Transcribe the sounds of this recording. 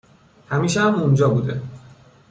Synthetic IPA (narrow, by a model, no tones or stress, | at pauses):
hæmiːʃehæmund͡ʒɒːbuːd̪e̞̰